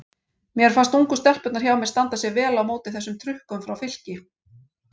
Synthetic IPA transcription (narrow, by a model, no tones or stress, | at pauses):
mjɛɛɾ̥fanst̪uŋkʏst̪ɛl̥pœt̪naɾçawmjɛ̥st̪ant̪asjɛvɛːlawmoːwt̪ɪθɛsːʏmt̪ʰɾʏhkʏmfɾawfɪl̥cɪ